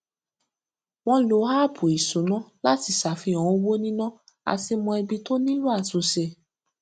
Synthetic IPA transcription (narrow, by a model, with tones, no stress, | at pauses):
w̃ɔ̃˦lo˨˦ha˦˨pu˨i˨su˨˦nã˦la˦ti˨sa˨fi˧ɔ̃˨ɔ̃˧˦wo˦nĩ˦nã˦ | a̰˧si˧mɔ̃˧ɛ˧bi˧to˦nĩ˦lu˦a˦˨tu˨˦sɛ˧